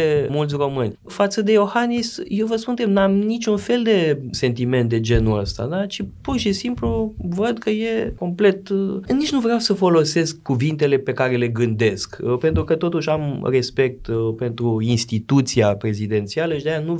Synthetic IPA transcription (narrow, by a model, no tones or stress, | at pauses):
emult̪sʲro̞mɨnʲ | fat̪səd̪e̞jo̞xanisje̞wvəspunt̪imnamnit͡ʃunfe̞ld̪e̞se̞nt̪ime̞nt̪̚d̪e̞d͡ʒe̞nuəst̪a̰d̪at͡ʃipurʃisimpluvəd̪kəje̞ko̞mple̞t̪nit͡ʃnuvɾeawsəfo̞lo̞se̞skkːuvint̪e̞le̞pe̞kaɾe̞le̞ɡɨnd̪e̞skpe̞nt̪ɾukət̪o̞t̪uʃʲamre̞spe̞k̚t̪pe̞nt̪ɾuinst̪it̪ut̪siapɾe̞zid̪e̞nt̪sialəʃid̪ejanu